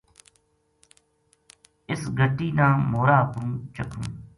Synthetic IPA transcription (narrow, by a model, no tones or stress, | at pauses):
ɪsɡʱəʈiːnãːmoːɾaːpɾũːt͡ʃəkʰṵ̃ː